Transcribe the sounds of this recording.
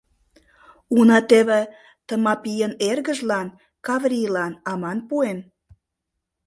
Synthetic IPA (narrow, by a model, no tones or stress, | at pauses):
unɑt̪eβĕ | t̪əmɑpijənerɣə̆ʒlɑn | kɑvrʲilɑnɑmɑnpuen